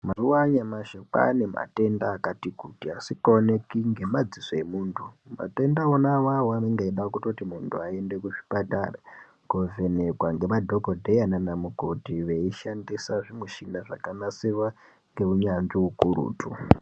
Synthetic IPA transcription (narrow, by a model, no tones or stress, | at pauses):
maruwaɲamaʃepa̰ne̞ma̰te̞ndaːkatikutiasikaone̞kiŋɡe̞mad͡zisoe̞muːntʰuma̰te̞ndaonawawaneŋɡeiɗakutotimuntʰuae̞nde̞kuʐi̥pata̰ːra | kovenekwaŋɡe̞madʱokodʱejananamukotiʋeiʃandisaʐimweʃinaʐa̰kanasiʋa | ŋɡe̞uɲand͡ʒiukuɾṵːtʰu